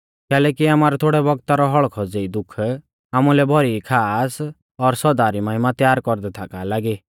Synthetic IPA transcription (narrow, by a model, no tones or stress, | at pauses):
kɛːlɛkiaːmaɾɔt̪ʰoːɽɛbɔɡt̪aɾɔɦɔɭkʰɔd͡zeid̪ʊkʰ | amulɛbʱɔɾikʰaːs | ɔɾsɔd̪aɾimaɦɪmat̪jaːɾkɔɾd̪ɛt̪ʰakalaɡi